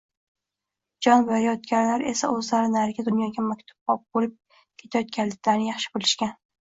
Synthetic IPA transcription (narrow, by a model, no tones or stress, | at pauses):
d͡ʒɒnbaɾijɒt̪̚ɡʲaɾlaɾe̞̰sa̰ɵzlaɾɪnaɾɪɡʲad̪ʊnjɒɡʲamakʲt̪ʰʊ̥b̚ɒp̚bolɪp̚ | kʲʰe̞t̪ʰajɒt̪̚kʲanlːɪk̚ʲd̪anɪjɑχʃɪ̥bolɪʃkʲan